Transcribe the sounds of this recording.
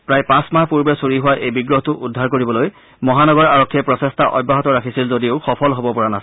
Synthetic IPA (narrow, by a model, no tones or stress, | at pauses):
pɹajpãsmahpuɹbɛsuɹiɦʊwaʔejbiɡɹɔɦtʊʔudʱːaɹkoɹibɔloj | mɔɦanɔɡɔɹaɹɔkʰːiɛpɹɔsestʰaʔɔ̰bːaɦɔtɔɹakʰisilzodiʊxɔpʰɔlɦɔbɔpɔɹanas